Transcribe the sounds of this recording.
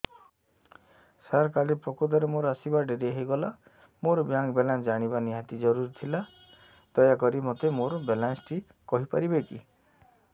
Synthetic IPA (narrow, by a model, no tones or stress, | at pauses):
saɾkalipɾɔkud̪ɔɾemoɾasibaɖeɾeɦejɡɔla | moɾɔbjaŋbelansd͡ʒaɽ̃ibaniɦat̪id͡ʒɔɾuɾit̪ʰila | d̪̥ɔjakɔɾimot̪emoɾɔbelansʈʰi | kɔɦipaɾibekḭ